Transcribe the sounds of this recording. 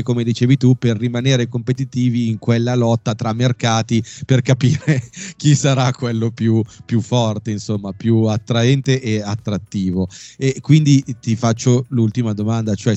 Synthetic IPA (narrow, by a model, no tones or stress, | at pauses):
komed̪it͡ʃeːvit̪uperːimaneːɾekompet̪it̪iːviːŋkwelːalɔt̪ːat̪ɾamːerkaːt̪iperkapiːɾek̟isaɾakwelːopjupjufːɔrt̪einsomːapjuat̪ːɾaɛnt̪eʔeat̪ːɾat̪ːiːvoekːwind̪it̪ifat͡ʃːolult̪imad̪omand̪at͡ʃoɛ